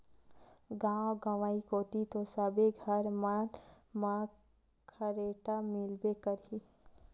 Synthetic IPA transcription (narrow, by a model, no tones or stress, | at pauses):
ɡãːɡəʋaːikoːt̪it̪osəbeɡʱəɾman | ma | kʰəɾeːʈamilbekəɾɦi